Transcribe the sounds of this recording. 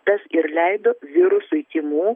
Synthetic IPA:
t̪ɐsɪɾlʲɛɪd̪oːʋʲɪɾʊsʊɪt̪ʲiːmuː

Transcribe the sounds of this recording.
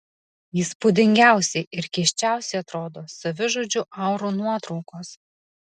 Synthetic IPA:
ɪːspʊd̪ʲɪŋʲɡʲæˑʊsʲɛɪʔɪɾkʲiʃʲt͡ʃʲæˑʊsʲɛɪɐt̪ɾoːd̪oːsɐʋʲɪʒuːd͡ʒʲʊʔɐʊɾuːnuɔt̪ɾɔʊkoːs

